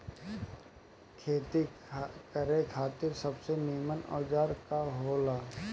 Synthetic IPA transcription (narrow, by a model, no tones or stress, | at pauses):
kʰeːt̪ikəɾẽkʰaːt̪ɪɾsɐbsenijmənɔ̰ːd͡ʒaːɾkaɦoːlaː